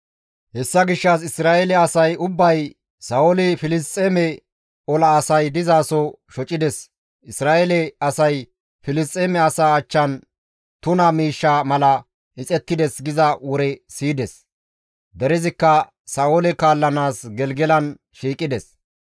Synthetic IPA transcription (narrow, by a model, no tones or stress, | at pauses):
hɛsːɐɡɪʃːɐs̬ɪsɾaːɛlɛɐsɐjʊbːɐj | sɐːolɪfɪlɪstʼːeːmɛ | ɔlɐːsɐjd̪ɪzaːsɔ | ʃɔt͡ʃʼɪd̪ɛs | ɪsɾaːʔɛlɛɐsɐj | fɪlɪs̬t̪ʼːeːmɛɐsaːt͡ʃːɐn | t̪ʊnɐmiːʃːamɐlɐ | ʔɪt͡sʼɛt̪ːɪd̪ɛsɡɪzɐwɔɾɛsiːd̪ɛs | d̪ɛɾɛzɪkːɐ | saːolɛkaːlːɐnaːsɡɛlɡɛlɐn | ʃiːkʼːɪd̪ɛs